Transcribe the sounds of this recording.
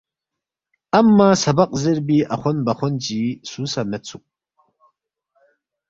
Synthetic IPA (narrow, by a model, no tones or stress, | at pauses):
amːasabaqʼzɨɾbiʔaχʷʊnbaχʷʊnd͡ʒisuːsamɛt͡sʰukʼ